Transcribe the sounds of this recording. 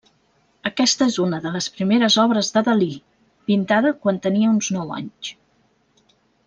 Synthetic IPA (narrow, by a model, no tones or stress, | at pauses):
əkɛst̪əezunəðələspɾimeɾəzɔβɾəzðəðəli | pint̪aðəkwant̪əniəunznɔwa̰ɲt͡ʃ